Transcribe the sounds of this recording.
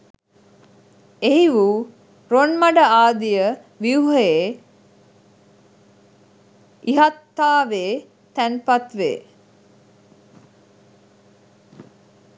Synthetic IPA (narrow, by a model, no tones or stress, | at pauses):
eɦiʋu | ɾonmɐɖəaːd̪ijə | ʋiuɦəeː | ʔiɦat̪ːaːʋeː | t̪ænpat̪ʋḛː